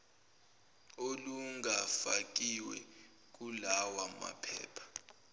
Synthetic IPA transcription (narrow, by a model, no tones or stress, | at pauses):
oluŋɡafak̬ʼiwɛ̰ | k̬ulawama̰pʰɛ̰ːpʰḁ